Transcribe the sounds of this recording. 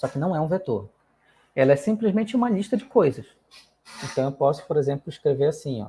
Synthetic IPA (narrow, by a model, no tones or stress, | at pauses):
sɔkɪnɐ̃w̃ɛũvet̪oɾ | ɛlɐɛsĩmplizmẽnt͡ʃɪũmɐliʃt̪ɐd͡ʒɪkojzɐs | ẽnt̪ɐ̃w̃ewpɔsʊ̥poɾezẽmplʊiʃkɾeveɾasĩɔ̰